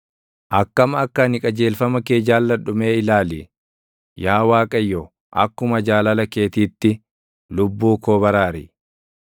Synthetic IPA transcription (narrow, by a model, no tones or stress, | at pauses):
ʔɐkːɐmɐɐkːɐnɪkʼɐd͡ʒe̞ːlfɐmɐke̞ːd͡ʒaːlːɐᶑʊme̞ːɪlaːli | jaːwaːkʼɐjːɔ | ʔɐ̰kːʊmɐd͡ʒaːlɐlɐke̞ːt̪iːt̪ːɪ | lʊbːuːkoːbɐɾaːɾɪ